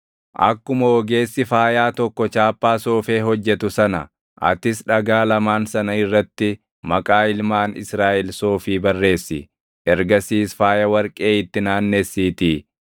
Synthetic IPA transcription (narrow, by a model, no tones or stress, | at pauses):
ʔɐ̰kːʊmɐwɔɡe̞ːsːɪfaːjaːt̪ɔkːɔt͡ʃaːpːaːso̞ːfe̞ːɦɔd͡ʒːɛt̪ʊsɐnɐ̰ | ʔɐ̰t̪ɪsᶑɐɡaːlɐmaːnsɐnɐɪrːɐt̪ːɪ | mɐkʼaːɪlmaːnɪ̰sɾaːʔɛlso̞ːfiːbɐrːe̞ːsːɪ̰ | ɛɾɡɐsiːsfaːjɐwɐɾkʼe̞ːɪt̪ːɪnaːnːesːiːt̪iː